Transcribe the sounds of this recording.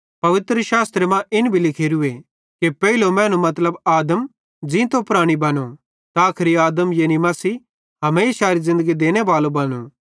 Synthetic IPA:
pɐʋɪt̪ɾəʃaːst̪ɾemãʔɪnbʱilɪkʰeːɾʊe | kepɛilomɛ̃ːnũmɐt̪ləbaːd̪əm | d͡ʒĩt̪opʊɾaːɽ̃ibɐno | t̪aːkʰɾiaːd̪əmjeːnimɐsiː | ɦɐmeːsaːɾizɪ̃nd̪əɡid̪eːñeʋaːlobɐnuː

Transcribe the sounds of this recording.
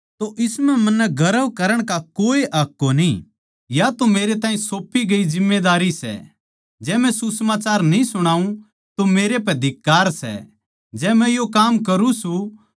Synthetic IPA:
t̪oʔɪsmɛ̃mɐnːɛɡʱɐɾəʋkɐɾəɽ̃kakoːiʔaːkːonĩ | jat̪omeːɾet̪ãːĩsoːpiɡɐizɪmːed̪aːɾisɛ̰ | d͡ʒɛːmɛ̃susmaːt͡ʃaːɾnĩsʊɽ̃aːũ | t̪omeːɾepɛd̪ʱɪkːaːɾsɛ̰ | d͡ʒɛːmɛ̃jokaːmkɐɾũsũ

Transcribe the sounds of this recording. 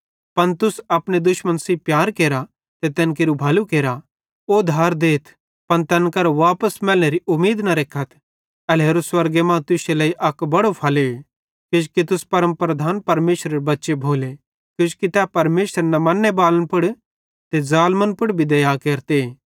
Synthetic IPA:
pɐnt̪ʊsɐpɽ̃ed̪ʊʃmə̃nsipjaːɾkeːɾa | t̪et̪ɛːnk̬eɾubʱɐlukeːɾa | od̪ʱaːɾd̪eːt̪ʰ | pɐnt̪ɛnkɐɾoʋaːpəsmɛːlneɾiʔʊmeːd̪nɐɾeːkʰət̪ʰ | ɛleːɾoswɐɾɡemãːt̪ʊselɐiʔɐkbɐɽopʰɐle | kɪt͡ʃkit̪̬ʊspɐɾə̃mpɾɐd̪ʱaːnpɐɾmeːʃɾeɾebɐtːʃebʱoːle | kʊd͡ʒkit̪ɛpɐɾmeːʃəɾnɐmɐnːebaːlənpʊɽ | t̪ed͡zaːlmənpʊɽbʱid̪ɐjaːkeːɾt̪e

